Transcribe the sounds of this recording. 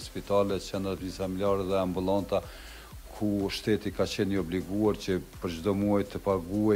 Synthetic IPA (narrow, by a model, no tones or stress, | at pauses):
spit̪alɛt͡ɕɛnd̪ɾapnisfamiljaɾɛðɛambulˠant̪a | kʰuʃt̪ɛt̪ikat͡ɕɛnəɔbliɡuaɾt͡ɕəpəɾd͡ʑd̪ɔmuajt̪əpaɡuɛ